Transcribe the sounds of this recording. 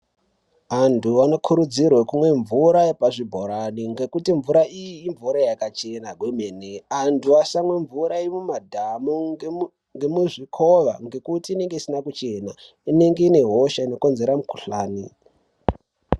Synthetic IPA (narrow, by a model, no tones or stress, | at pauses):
antʰuano̞kʰuɾud͡zirwekumwe̞ɱvuɾaepaʐibʱoɾaniŋɡe̞kutiɱvuɾaʔijiːɱvuɾajakat͡ʃe̞naɡwemeneantʰuasamwe̞ɱvuɾaimumadʱamo | ŋɡemuʐikʰo̞ʋa̰ŋɡe̞kutiːne̞ŋɡe̞isinakut͡ʃe̞na | ine̞ŋɡe̞ine̞ɦo̞ʃaino̞ko̞nze̞ɾamukuɬaːni